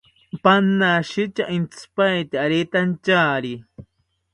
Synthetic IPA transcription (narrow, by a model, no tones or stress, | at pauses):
panːaʃit͡ʃaʔint͡spajt̪iaɾet̪ant͡ʃaːɾi